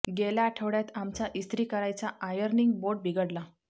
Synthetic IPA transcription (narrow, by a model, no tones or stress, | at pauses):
ɡeljaːʈʰəʋɽjat̪amt͡saʔist̪ɾiːkəɾajt͡saʔajəɾniŋɡ̚boɖ̚bʱiɡəɽla